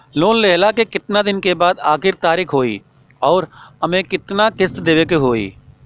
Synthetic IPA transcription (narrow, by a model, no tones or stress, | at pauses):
loːnleɦlakekɪt̪nad̪ɪnkebaːd̪aːxɪɾt̪aːɾiːkʰɦoːḭː | ɔːɾɐmẽkɪt̪nakɪst̪d̪eːʋekeɦoːḭː